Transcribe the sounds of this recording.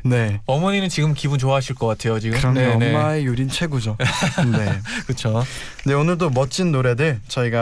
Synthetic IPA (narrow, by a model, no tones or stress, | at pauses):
ne̞ʌmʌɲinɯnt͡ɕiɡɯmkibunt͡ɕoaɦaɕʰiɭk͈ʌk͈atʰe̞jot͡ɕiɡɯɯɯɾʌŋneʌnemaejuɾint͡ɕʰwe̞ɡud͡ʑone̞kɯt͡ɕʰo | de̞onɯɭdomʌt͡ɕ͈ʰinːoɾe̞dɯt͡ɕʌiɡa